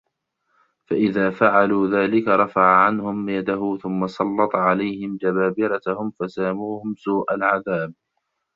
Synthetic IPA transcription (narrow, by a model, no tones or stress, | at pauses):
faʔɪðaːfaʕaluːðaːlɪkaɾˤɑfaʕaʕanhʊmjad̪aɦʊθʊmːasˤɑlːɑt̪ˤʕalajhɪmd͡ʒabaːbɪɾat̪hʊmfasaːmuːhʊmsuːʔa̰lʕaðaːb̚